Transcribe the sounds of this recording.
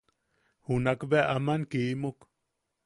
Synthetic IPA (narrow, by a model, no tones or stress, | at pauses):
hunakbeaʔamankiʔmuk